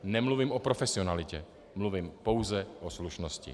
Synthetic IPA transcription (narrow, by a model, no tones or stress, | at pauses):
nɛmluvimʔopɾofɛsɪo̞nalɪcɛ | mluvimpo̞wzɛʔosluʃnoscɪ̰